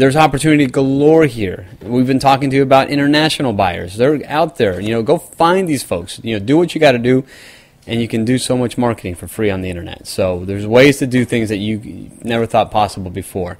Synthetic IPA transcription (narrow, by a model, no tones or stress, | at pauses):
ðə˞zɑpə˞tʰʉnɨɾiɨɡəlɔɹɦiɹwivbɨ̃ntʰɔkɪ̃ŋtɨːbaʊɾʔɪ̰̃ɾ̃ə˞næʃn̩l̩ˠbaɪə̰˞zðə˞aʊt̪̚ðə˞jɨnoʊɡoʊfãɪ̃nðiz̥foʊksjɨnoʊdɨwʌt͡ʃɨɡɑɾɨdɨ | ʔɨ̃njɨkɨ̃ndɨsoʊmʌt͡ʃmɑɹkɨɾɪ̃ŋfə˞fɹiə̃nðiɪ̃ɾ̃ə˞nɛ̰tsoʊðə˞zweɪz̥tʰɨdɨθɪ̃ŋzðɨt͡ʃɨnɛvə˞θɔt̚pʰɑsəbl̩ˠbɨfɔɹ